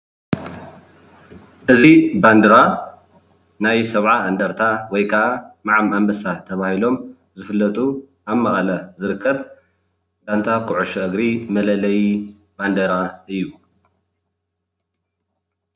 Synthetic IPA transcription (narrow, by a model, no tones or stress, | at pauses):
ʔɨziband̪ɐɾa | najsɐβʕaʔɐnd̪ɐɾt̪ʰawɔjkʰɐʔamaʕamambɐsat̪ʰɐβahilo̞m | zɨfɨlːɐt̪ʼu | ʔaβmɐχʼlɐzɨɾɨkːɐβ | dant̪ʰakʰʊʕuʃuʔɨɡɾimɐlɐlɐj | band̪ɐɾaɨjːu